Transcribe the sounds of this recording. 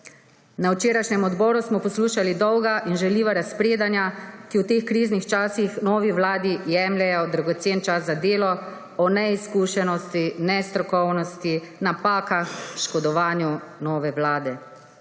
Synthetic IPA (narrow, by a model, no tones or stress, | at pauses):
nawt͡ʃeːɾajʃnʲɛmɔd̪bɔːɾusmɔpɔsluːʃalid̪ɔwɡaʔinʒɛliːʋaɾaspɾeːd̪anjakiwt̪eːxkɾiːznixt͡ʃaːsixnɔːʋiʋlaːd̪ijɛmlɛjɔd̪ɾaɡɔt̪seːnt͡ʃaszad̪eːlɔ | ɔnɛiskuːʃɛnɔst̪inɛst̪ɾɔkɔwnɔst̪inapaːkaxʃkɔd̪ɔʋaːnjunɔːʋɛʋlaːd̪ɛ